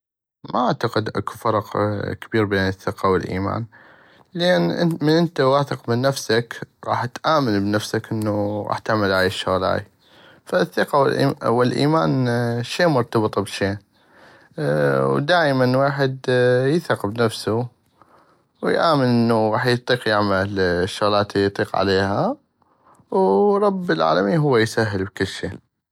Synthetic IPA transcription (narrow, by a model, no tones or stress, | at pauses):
mʔa̰ʔaʕt̪aqɪd̪ʔa̰kufɑɾˤɑqkabiːɾbeːnəθːɪqɑwɪlʔḭːma̰ːn | leːnmənʔɪnt̪awaθɪqmənːafsakɣɑ̰ːħt̪ʔaːmanbnafsakʔənːuɣɑ̰ːħt̪aʕmɪlʕajʃːʊɣla̰ːj | faθːɪqɑwɪlʔwɪlʔḭːmaːnʃeːmʊɾt̪ɑbɨt̪ˤbʃeːn | wd̪aːjmanweːħɪd̪jɪθaqbnafsu | wjʔaːmɪnʔɪnːuɣɑːħjt̪ˤiːqjɪʕmalʃːʊɣlaːt̪jt̪ˤiːqʕa̰leːha | wɾˤɑbːɪlʕa̰ːlamiːnɦʊwːajsaɦːəlbkəlːʃḛː